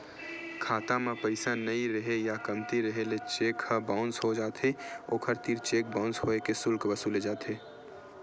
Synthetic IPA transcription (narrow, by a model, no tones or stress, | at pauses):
kʰaːt̪amãpəɪsanəĩɾəɦejakɐmt̪iɾəɦelet͡ʃeːkhəbaʊnsɦod͡ʒaːt̪ʰeoːkʰəɾt̪iːɾt͡ʃeːk̚bãʊnsɦoekesʊlkbəsuled͡ʒaːt̪ʰeː